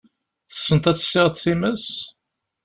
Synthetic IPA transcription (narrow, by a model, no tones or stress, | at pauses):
θə̥sːənt̪æt͡sːə̥sːɪʁət̪θiməs